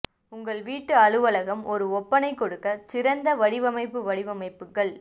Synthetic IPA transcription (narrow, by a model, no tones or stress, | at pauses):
ʊŋɡɐɭʋiːʈːɯɐɻɯʋɐlɐɣɐmɔɾɯɔpːɐnɐɪkɔɽɯkːɐsɪɾɐnd̪ɐʋɐɽɪʋɐmɐɪpːɯʋɐɽɪʋɐmɐɪpːɯkːɐɭ